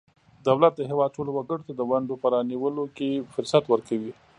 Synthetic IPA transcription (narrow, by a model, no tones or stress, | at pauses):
d̪awlat̪̚d̪əɦewɑd̪̚ʈolowaɡəɽot̪ad̪əwaɳɖopəɾɑniwəlokefʊɾsat̪wəɾkawi